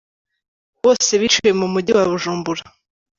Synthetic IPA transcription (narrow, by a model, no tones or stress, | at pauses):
βo̞ːse̞βit͡ʃuje̞mumuɟiwaβuʒuːmbuɾa